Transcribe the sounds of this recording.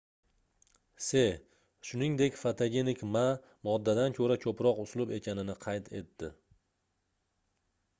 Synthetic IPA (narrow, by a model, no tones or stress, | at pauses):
se̞ | ʃʊnɪŋd̪e̞kʲfat̪ʰaɡʲe̞nɪkʲma | mɒd̪ːad̪ankʰɵɾakʰɵpɾɒqʊslˠʊbe̞kʲʰanɪnɪqʰɑjt̪ʰe̞̰t̪ːɪ